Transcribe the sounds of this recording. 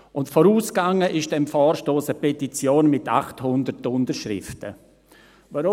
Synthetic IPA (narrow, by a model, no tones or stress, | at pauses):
ʊntfɔɾuːsɡ̥aŋəʔɪʃd̥ɛmfɔːɾʃtoːsəpʰɛtit͡sjoːnmɪta̰χthʊndəɾtʊndəɾʃɾɪ̰ftə̰ | vaɾʊ